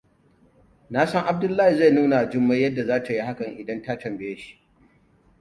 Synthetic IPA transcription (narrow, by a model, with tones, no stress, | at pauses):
naː˦sɐ˦ŋʔa˨b̚dʊ˦lːaː˦hi˨za˦˨jnuː˦na˨d͡ʒʊ˦mːa˦jɐ˦dːa˨zaː˦ta˨ji˦ha˦kɐ˨ŋʔɪ˨dɐ˦nta˦tɐ˨mbe˦jeː˦ʃi̥˦ʔ